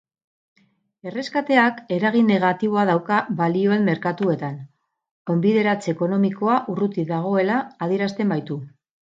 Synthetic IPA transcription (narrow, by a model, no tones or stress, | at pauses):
e̞re̞skat̪e̞ake̞ɾaɣ̞inːe̞ɣ̞at̪iβ̞o̞að̞awkaβalio̞e̞mmːe̞ɾkat̪ue̞t̪an | ko̞mbiðe̞ɾat͡se̞ko̞no̞miko̞aʔurut̪iðaɣ̞o̞e̞laːð̞ieɾast̪e̞mbajt̪u